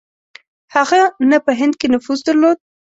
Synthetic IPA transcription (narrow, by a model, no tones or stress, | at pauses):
haɣanapəɦɪnd̪̚kenʊfuzd̪əɾlod̪̚